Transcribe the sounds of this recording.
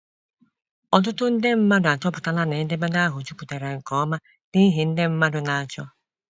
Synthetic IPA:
ɔ˨tʊ˦to˦n̩˦dɛ˦m̩˦ma˦dʊ˨a˨t͡ʃɔ˦bu˨ta˦la˦nɛ˨˦n̩˦dɛ˦mɛ˦nda˦ɦu˨d͡ʒu˦ku˨tɛ˨ɾɛ˨ŋ̩˨kɔ˨˦ma˦ | ni˦ɦi˨˦n̩˦de˦m̩˦ma˦dʊ˦na˨t͡ʃɔ˦

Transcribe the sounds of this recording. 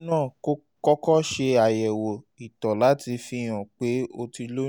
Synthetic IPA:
nãː˦˨ko˦ | kɔ˦kɔ˦ʃe˧a˨jɛ˨wo˨ | i˨tɔ˨la˨˦ti˧fĩ˧j̃ã˨k͡pe˨˦o˧ti˧lo˦

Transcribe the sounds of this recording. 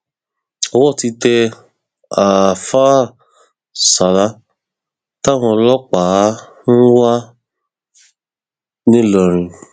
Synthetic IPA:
ɔ˧wɔ˦˨ti˧tɛ˧ | a˨fa˦ | sa˨la˦ | ta˦˨w̃ɔ̃˧lɔ˦k͡pa˨˦ | n̩˦wa˦ | nĩ˦lɔ˨ɾ̃ĩ˨

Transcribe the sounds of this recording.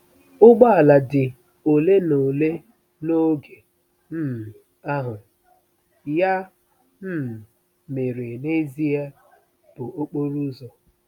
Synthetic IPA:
ʊ˦ɡ͡ba˦a˨la˨dɪ˨ | o˨le˦no˨le˦ | no˦ɡe˨ | m̩˦m˨ | a˦ɦʊ˨ | ja˦ | m̩˦m˨ | me˨ɾɪ˨ne˦zi˦a˦ | b̥ʊ˨o˦k͡po˦ɾu˦zɔ˨

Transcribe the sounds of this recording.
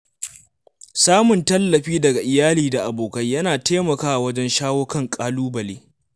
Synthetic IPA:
saː˦mʊ˨ntɐ˦lːɐ˨ɸiː˦dɐ˨ɡa˨ʔɪ˨jaː˦liː˨da˨ʔa˨boː˨kɐ˦jjɐ˦naː˨teː˦mɐ˨kaː˦ʔa˨wɐ˦d͡ʒɛ˦nʃaː˦woː˦kɐ˦ŋkʼaː˦luː˦bɐ˨leː˦

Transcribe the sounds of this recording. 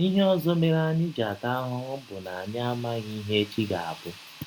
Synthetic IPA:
i˦ɦe˦ɔ˦zɔ˦me˦ɾa˦ɲɪ˦d͡ʒa˨ta˦ɦʊ˦ŋ̩˦bʊ˨na˨a˨ɲa˦a˦ma˦ɣi˦i˦ɦe˦e˦t͡ʃi˦ɡa˨a̰˨bʊ˦

